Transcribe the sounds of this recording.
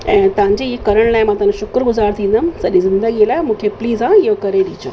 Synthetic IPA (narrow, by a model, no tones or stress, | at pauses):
ɛ̃ːt̪ɐʋ̤ãɲd͡ʑekɐɾəɽ̃laːɪmãːt̪ɐʋnʃʊkɾɡʊzaːɾt̪ʰĩːnd̪ansɐɗizɪ̃nd̪əɡilaːɪmũːkʰepliːzãiɦokɐɾeɗiːt͡ɕʰo̰ː